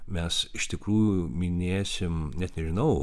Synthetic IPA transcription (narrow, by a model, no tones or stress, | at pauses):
mʲɛsɪʃt̪ʲɪkɾuːjuumʲɪnʲeːsʲɪmnʲɛt̪nʲɛʒʲɪnɐʊ